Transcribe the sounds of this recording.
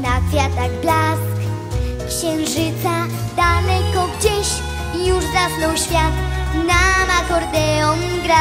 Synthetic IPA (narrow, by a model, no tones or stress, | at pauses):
nafʲjat̪aɣblask | kɕɛñʐɘt̪sa | d̪anɛkɔɡd͡ʑeɕ | ijuʐd̪avnɔwɕfʲjat̪namakɔɾd̪ɛɔm | ɡɾa